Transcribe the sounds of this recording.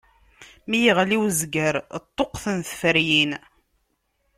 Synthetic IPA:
mijiʁliwzɡəɾt̪ˤːoqθənθfəɾjin

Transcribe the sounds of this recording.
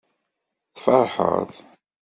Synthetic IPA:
θfɑɾˤħə̰θ

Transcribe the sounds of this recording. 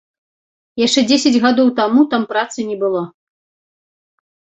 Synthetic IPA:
jaʂt͡ʂɛd͡zʲesʲɐd͡zʲɣad̪ɔwt̪amut̪ampɾat̪sɨnʲɛbɨlˠa

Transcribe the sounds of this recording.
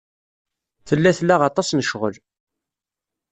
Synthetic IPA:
θəlːæθlːæʁɑt̪ˤɑsnəʃʁə̰l

